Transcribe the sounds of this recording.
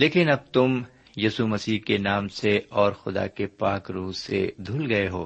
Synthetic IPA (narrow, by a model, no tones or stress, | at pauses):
leːkɪnɐb̚t̪ʊm | juːsumɐsiːkenaːmseɔːɾxʊd̪a̰kepaːkɾuːsḛd̪ʱuːlɡɐeɦoː